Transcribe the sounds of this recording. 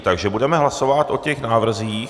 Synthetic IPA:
t̪aɡʒɛbudɛmɛɦlaso̞vat̪ʔo̞cɛxnaːvr̩ziːx

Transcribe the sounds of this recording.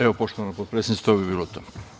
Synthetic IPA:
eopoʃt̪oanopot̪pɾesenist̪obibiːlot̪oː

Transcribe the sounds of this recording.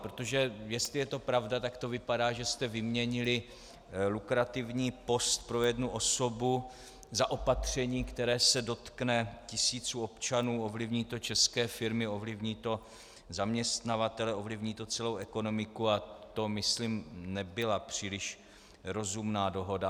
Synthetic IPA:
pɾot̪o̞ʒɛjɛst̪lɪjɛt̪o̞pɾavdat̪akt̪o̞vɪpadaːʒɛst̪ɛvɪmɲɛɲɪlɪ | lukɾat̪ɪvɲiːpo̞st̪̚pɾo̞jɛdnuʔo̞so̞bu | zaʔopat̪r̝̥ɛɲiːkt̪ɛɾɛːsɛdo̞t̪knɛcɪsiːt͡suo̞pt͡ʃanuːo̞vlɪvɲiːt̪o̞t͡ʃɛskɛːfɪɾmɪo̞vlɪvɲiːt̪o̞ | zamɲɛst̪navat̪ɛlɛo̞vlɪvɲiːt̪o̞t͡sɛlo̞wɛko̞no̞mɪkuat̪o̞mɪsliːmnɛbɪlapr̝̥iːlɪʃ | ɾo̞zumnaːdo̞ɦo̞da

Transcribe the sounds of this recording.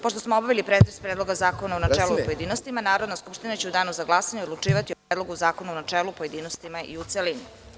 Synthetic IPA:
poʃt̪osmoobaʋilipɾet̪ɾest̪pɾed̪lo̞ɡazaːkonaunat͡ʃeːlˠupoje̞d̪iːnost̪imanaːɾo̞d̪naskupʃt̪inat͡ɕe̞ud̪aːnuzaɡlˠaːsaɲeod̪lˠuʈ͡ʂiːʋat̪iopɾeːd̪lˠo̞ɡuzaːkonuonat͡ʂeːlupo̞je̞d̪iːnost̪imaʔḭut̪selini

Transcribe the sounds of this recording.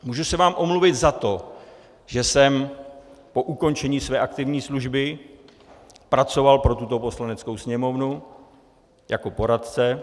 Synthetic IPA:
muːʒusɛvaːmʔo̞mluvɪt̪zat̪o̞ | ʒ̥ɛsɛm | po̞ʔuko̞nt͡ʃɛɲiːsvɛːʔakt̪ɪvɲiːsluʒbɪ | pɾat͡so̞valpɾo̞t̪ut̪o̞po̞slanɛt͡skowsɲɛmo̞vnu | jako̞po̞ɾat̪t͡sɛ

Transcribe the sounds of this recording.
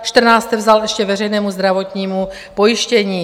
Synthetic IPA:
ʃt̪r̩naːst̪ɛvzalɛʃcɛvɛrɛjnɛːmuzd̪ɾavot̪ɲiːmu | pojiʃcɛɲiː

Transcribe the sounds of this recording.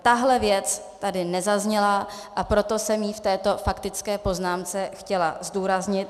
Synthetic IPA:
t̪aɦlɛvjɛt͡s | t̪adɪnɛzazɲɛla | ʔapɾo̞t̪o̞sɛmjiːft̪ɛːt̪o̞fakt̪ɪt͡skɛːpo̞znaːmt͡sɛxcɛlazduːɾazɲɪt̪̚

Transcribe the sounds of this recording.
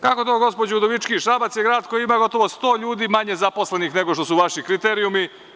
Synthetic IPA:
kako̞t̪oːɡo̞spo̞d͡ʑeud̪oʋit͡ʃkiʃɾabat̪sjeɡɾaːd̪ko̞jiimaːɡo̞t̪o̞ʋo̞st̪o̞ːʎuːd̪imaɲe̞zaposlenixne̞ɡo̞ʃt̪o̞suʋaʃikɾit̪eːɾijumi

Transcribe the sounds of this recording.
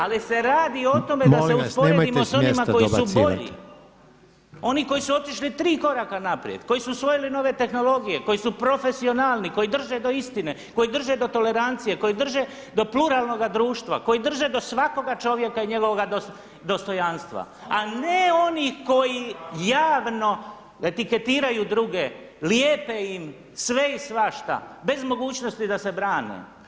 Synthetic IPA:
alise̞ɾaːd̪io̞t̪o̞measleuspoɾed̪imossonimakoiubo̞ʎḭ | o̞niko̞jisuo̞t̪iʃlit̪ɾiːko̞ɾakanapɾj̰ḛd̪ko̞jisusʋo̞jilino̞ʋe̞t̪e̞xno̞lo̞ɡije̞ko̞jisupɾo̞fe̞sio̞naːlˠniko̞jid̪r̩ʒe̞d̪o̞ist̪ine̞ko̞jid̪r̩ʒe̞d̪o̞t̪o̞le̞ɾant̪sije̞ko̞jid̪r̩ʒe̞ | d̪o̞pluɾaːlˠno̞ɡad̪ɾuːʃt̪ʋa̰ko̞jid̪r̩ʒe̞d̪o̞sʋako̞ɡat͡ʃo̞ʋje̞kaiɲe̞ɡo̞ʋoɡad̪o | d̪o̞st̪o̞janst̪ʋa̰ane̞o̞nixko̞jijaːʋno̞ | e̞t̪ike̞t̪iːɾajud̪ɾuɡe | ljeːpeim | sʋe̞isʋaʃt̪a̰be̞zmo̞ɡuːt͡ʃno̞st̪id̪ase̞bɾaːnḛ

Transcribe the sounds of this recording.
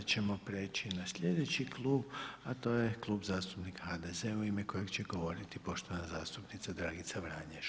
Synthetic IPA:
t͡ɕemo̞pɾeːt͡ʃinasʎʲed̪e̞t͡ɕiklˠuːbat̪o̞ːje̞klˠuːbzaːst̪upnikhad̪ezeuimeko̞je̞ɡt͡ɕeɡo̞ʋo̞ɾit̪ipo̞ʃt̪o̞ʋanazaːst̪upnit̪sad̪ɾaːɡit̪saʋɾaːɲeʃ

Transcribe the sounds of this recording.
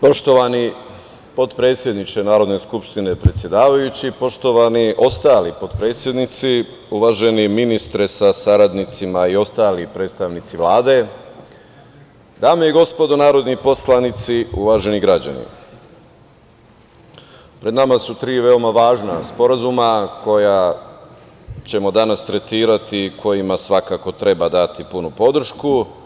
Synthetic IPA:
po̞ʃt̪o̞ʋani | po̞d̪pɾe̞ːt̪sʲje̞d̪nit͡ʃe̞naːɾo̞d̪ne̞skupʃt̪ine̞pɾet̪sje̞d̪aːʋajut͡ɕipo̞ʃt̪o̞ʋaniʔo̞st̪aːlipo̞d̪pɾe̞ːt̪sʲje̞d̪nit̪si | uʋaʒe̞niminist̪ɾesasaɾad̪nit̪simaio̞st̪aːlipɾet̪st̪aʋnit̪siʋlaːd̪e̞ | d̪aːmejeɡo̞spo̞d̪onaːɾo̞d̪nipo̞slˠanit̪siuʋaʒe̞niɡɾad͡ʑa̰nḭ | pɾe̞d̪namasut̪ɾiːʋe̞omaʋaːʒnaspo̞ɾazumako̞ja | t͡ɕe̞mo̞d̪anast̪ɾe̞t̪iːɾat̪ikʰo̞jimasʋakako̞t̪ɾe̞bad̪at̪ipunupo̞d̪ɾ̩ʃku

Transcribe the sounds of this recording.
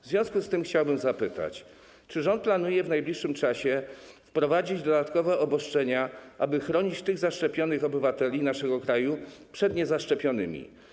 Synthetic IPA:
vzvʲjɔ̃w̃skust̪ɘmxt͡ɕawbɘmzapɘt̪a̰t͡ɕ | t͡ʂɘʐɔnt̪̚planujɛvnajblʲiʂːɘmt͡ʂaɕɛfpɾɔvad͡ʑid͡ʑd̪ɔd̪at̪kɔvɛʔɔbɔʂt͡ʂɛɲaʔabɘxɾɔɲit͡ɕt̪ɘɣzaʂt͡ʂɛpʲjɔnɘxɔbɘvat̪ɛlʲinaʂɛɡɔkɾajupʂɛd̪ɲɛzaʂt͡ʂɛpʲjɔnɘmʲḭ

